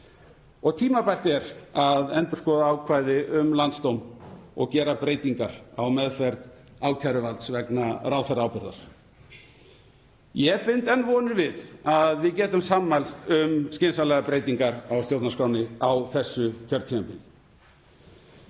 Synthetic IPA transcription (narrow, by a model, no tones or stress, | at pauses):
ɔɣt̪ʰiːmapajl̥t̪ɛɾaðɛnt̪ʏɾ̥skɔːðaaːwkʰvaːjðɪʔʏmlant̪st̪owmɔ̰ɣcɛːɾapɾeːjt̪iŋkaɾa̰wmɛðfɛɾt̪aːwcʰaɾʏvalt̪svɛknaɾaːwθɛɾawpʏɾða̰ɾ̥ | jɛpɪnt̪ɛnvɔːnʏɾvɪðaðvɪðcɛːt̪ʏmsaːmːmajlst̪ʏmscɪːnsalɛɣapɾeːjt̪iŋkaɾawst̪jowt̪naskaːwnɪawθɛsːʏcʰœɾt̪ʰimampɪn